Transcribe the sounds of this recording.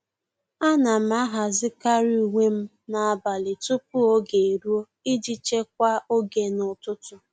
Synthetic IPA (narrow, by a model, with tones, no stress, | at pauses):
a˦na˨m̩˦a˦ɦa˨zɪ˦ka˦ɾi˦u˨ŋʷe˦m̩˦ | na˨a˦˨ba˨lɪ˨tʊ˦p̚u˦o˦ɡe˨e˨ɾu˦o˦ | i˦d͡ʒi˦t͡ʃe˦k̚ʷa˦o˦ɡe˨nʊ˨tʊ˦tʊ˨